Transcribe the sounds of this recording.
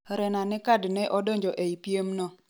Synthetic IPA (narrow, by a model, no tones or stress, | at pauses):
ɾɛnanɪkadnɛʔɔdɔɲd͡ʒɔʔeipiemnɔ